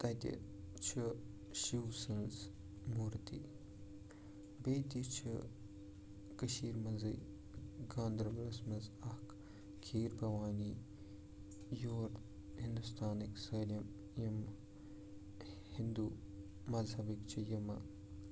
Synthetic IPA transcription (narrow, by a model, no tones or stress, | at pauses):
t̪ɐt̪ḭ | t͡ʃʰi | ʃiwsɨns | muːɾt̪ḭ | beːt̪it͡ʃʰḭ | kɐʃiːɾmɐnzɨ̰j | ɡãːnd̪ɾɐblɐsmɐzɐk | kʰiːɾbɐʋaːni | joːɾ | hind̪ust̪ʰaːniksɐːlɐm | jɐm | hind̪u | mɐzɦɐbikt͡ʃʰijɐmɐ̰